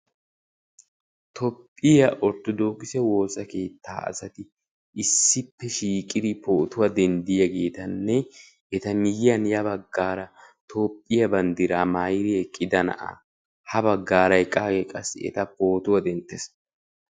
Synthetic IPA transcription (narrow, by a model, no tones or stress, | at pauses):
t̪ʰɔpʼːɪjɐʔɔt̪ːʊd̪o̞ːɡɪsɛwo̞ːsɐke̞ːt̪ʰːa̰ːʔɐ̰sɐt̪ɪ | ʔɪsːɪpːɛʃiːkʼɪd̪ɪpʰoːt̪ʊwɐd̪ɛnd̪ɪjɐɡe̞ːt̪ɐnːɛ | ɛt̪ɐmɪjɪɐnjɐbɐɡːaːɾɐ | t̪ʰo̞ːpʼːɪjɐbɐnd̪ɪɾaːmajɾɪjɛkʼɪd̪ɐnɐ̰ʔɐ̰ | hɐbɐɡːaːɾɐjkʼaːɡɛkʼɐsɛ̰t̪ɐpo̞ːt̪ʊwɐd̪ɛnt̪ːes